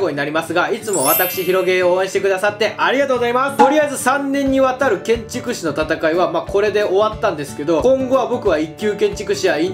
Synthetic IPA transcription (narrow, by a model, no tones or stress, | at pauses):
ɡo̞ɲinaɾʲimasɨɡait͡sɨmo̞βat̪akɯ̟̥ɕiçiɾo̞ɡe̞oːẽ̞ɕit̪e̞kɯ̟d̪asat̪ːe̞ʔaɾʲiɡat̪oːɡozaimast̪o̞ɾʲiaizɨsãnːẽ̞ɲ̟ːiβat̪aɾɯ̟kẽ̞ɲt͡ɕikɯ̟ɕino̞t̪at̪akaiβamako̞ɾe̞d̪e̞ʔo̞βat̪ːãnd̪e̞sɨ̥ke̞d̪o̞kõ̞ŋɡo̞βabo̞kɯ̟βaikʲːɨːkẽ̞ɲ̟t͡ɕi̥kɯ̟ɕiai